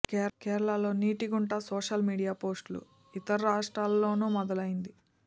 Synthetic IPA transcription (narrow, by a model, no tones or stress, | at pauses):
kɛkɛːɾɐɭaːlo̞ːniːʈiɡuɳʈaːsoːʂɐlmiːɽijaːpo̞ːsʈlṵ | it̪ɐɾɐɾaːʂʈɾaːlːo̞ːnuːmɐd̪ɐlɐjind̪i